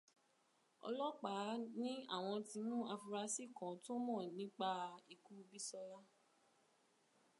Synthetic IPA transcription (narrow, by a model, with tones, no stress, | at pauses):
ɔ̰˧lɔ˦k͡pa˨˦nĩ˦a̰˦˨w̃ɔ̃˧ti˧nũ˦a˧fu˧ɾa˧si˦˨kɔ̃˨to˦mɔ̃˦˨nĩ˨˦k͡pa˧i˨ku˦˧bi˦sɔ˧la˦